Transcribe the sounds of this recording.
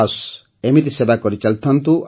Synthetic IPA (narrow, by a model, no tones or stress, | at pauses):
s | emit̪isebakɔɾit͡ʃalt̪ʰɔnt̪uʔ